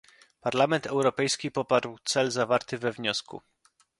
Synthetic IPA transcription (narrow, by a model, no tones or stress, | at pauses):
paɾlamɛnt̪ʰɛwɾɔpɛjskʲipɔpaɾwt̪sɛlzavaɾt̪ɘvɛvɲɔskṵ